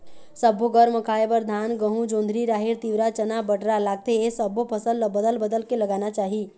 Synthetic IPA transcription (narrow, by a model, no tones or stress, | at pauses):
səbʱoɡəɾməkʰaːebəɾd̪ʱaːnɡəɦũd͡ʒõːnd̪ʱɾiɾaːɦɪɾt̪iʋɾat͡ʃənabəʈɾalaːɡ̚t̪eesəbʱopʰəsəlbəd̪əlbəd̪əlkeləɡaːnat͡ʃaːɦi